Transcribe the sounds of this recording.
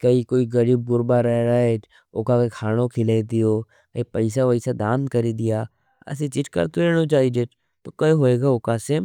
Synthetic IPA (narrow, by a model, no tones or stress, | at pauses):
kəiːkoːiɡəɾiːb̚ɡʊɾbaːɾɛɦɾaːeː | oːkakekʰaːɽ̃okʰɪled̪ɪjoː | epəɪsaʋəɪsad̪ãːnd̪kəɾiːd̪ɪjaː | ɐ̰sĩt͡ʃɪʈkə̰ɾt̪oɾɛːɽ̃ot͡ʃaːid͡ʒeː | t̪oːkəɦoːeːɡaːoːkaːse